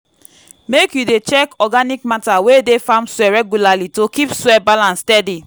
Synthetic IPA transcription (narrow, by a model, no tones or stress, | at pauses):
mekjudet͡ʃɛkɔɡanik̚matawedefãmswɛɹɛɡjulalitokipswɛbalãnstɛdi